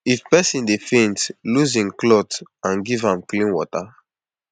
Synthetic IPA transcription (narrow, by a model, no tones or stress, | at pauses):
ifpɛsĩndefĩntluzĩnklɔtãnɡivãmklĩnwɔta